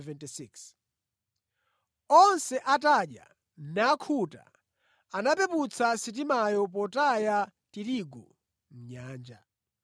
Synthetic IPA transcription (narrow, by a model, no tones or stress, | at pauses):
vɛntisiks | ɔnsɛʔataɗja̰ | nakʰuta̰ | anapɛput͡sʰasit̬imajɔp̬ɔtaja | tiɾiɡɔ̰ | m̩ɲaːnd͡ʒa